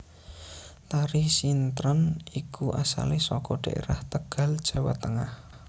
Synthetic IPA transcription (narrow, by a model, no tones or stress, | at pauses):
t̪aɾisint̪ɾənikuʔasa̰lisɔkɔɖ̥aʔḛɾaht̪əɡ̥a̤ld̥ʒ̥a̤wa̰t̪əŋah